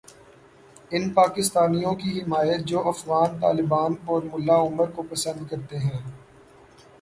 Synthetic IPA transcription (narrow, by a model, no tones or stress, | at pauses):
ɪnpaːkɪst̪aːnijõkiɦɪmaːjət̪̚d͡ʒoːʔɐfɣaːnt̪a̰ːlɪbaːnɔːɾmʊlːaʊməɾkopɐsə̃nd̪̚kɐɾt̪eɦɛ̃ː